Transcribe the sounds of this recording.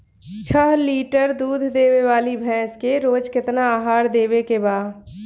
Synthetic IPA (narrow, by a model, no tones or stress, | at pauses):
t͡ʃʰəɦliːʈəɾd̪uːd̪ʱd̪eːweʋaːlibʱɛ̃ːskeɾoːd͡ʒkɪt̪naaːɦaːɾd̪eːwekebaːd